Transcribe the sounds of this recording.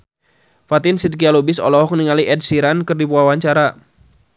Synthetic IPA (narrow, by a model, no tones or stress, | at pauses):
fat̪ɪnsid̪̚kialobɪsɔ̰lɔɦɔk̚ŋniŋaliʔɛdsiɾankɨrdipuawaɲt͡ʃaɾa